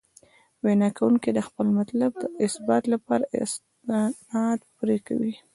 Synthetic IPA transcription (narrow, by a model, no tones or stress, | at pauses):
wenɑkawuŋkid̪əxpəlmat̪lab̚d̪əɪsbɑt̪lapɑɾaɪ̰s | nɑd̪puɾeka̰wi